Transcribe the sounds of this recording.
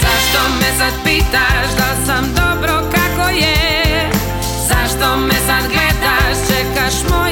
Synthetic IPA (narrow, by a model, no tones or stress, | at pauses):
zaʃt̪omɛsad̪̚piːt̪aʃd̪alsamd̪obɾokakoje | zaʃt̪omɛsad̪ɡlɛd̪aʃt͡ʃɛkaʃmo